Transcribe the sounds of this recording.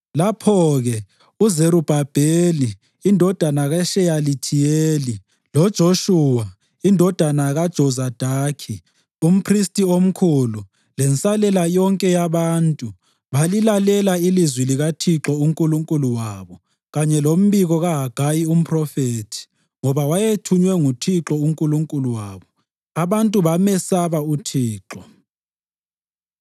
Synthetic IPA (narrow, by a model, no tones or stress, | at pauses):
lapʰɔɣɛ | uzeɾub̥ʱab̥ʱeliː | ndʱɔd̥ʱanaɣaʃɛjalitʰijeːli | lɔd̥ʒ̥ʱoʃuwa | indʱɔd̥ʱanaɣad̥ʒ̥ʱɔzad̥ʱaːkʰi | um̩pʰristʼiom̩kʰulu | lɛnt͡sʼalɛlajɔŋkʼɛjaβaːntʼu | βalilalɛlailizwiliɣatʰiǁɔuŋkʼuluŋkʼuluwaːβɔ | ɣaɲɛlom̩βiɣɔɣaɦaɡ̥ʱajium̩pʰrɔfeːtʰi̥ | ŋɔβawajetʰuɲwɛŋutʰiǁɔuŋkʼuluŋkʼuluwaːβɔ | aβantʼuβamɛsaβautʰiːǁɔ